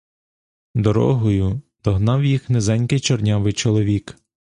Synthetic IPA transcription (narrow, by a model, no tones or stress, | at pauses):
d̪ɔɾɔ̰ɦɔjʊd̪̥ɔɦnɑwjixnezɛnʲkɪjt͡ʃɔrnʲɑʋɪjt͡ʃɔlˠɔʋʲik